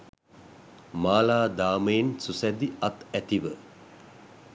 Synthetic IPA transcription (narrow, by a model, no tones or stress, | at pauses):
maːlaːd̪aːməjensusæd̪iat̪æt̪iʋə